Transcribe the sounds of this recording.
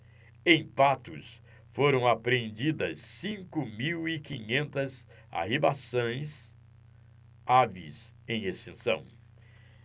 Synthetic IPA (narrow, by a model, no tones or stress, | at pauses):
ẽj̃pat̪ʊ̰s | foɾɐ̃w̃apɾẽnd͡ʒid̪ɐsːĩŋkʊmiwikĩɲẽnt̪ɐz | a̰ɦibasõj̃s | avḭs | ẽj̃est͡ʃĩsɐ̰̃w̃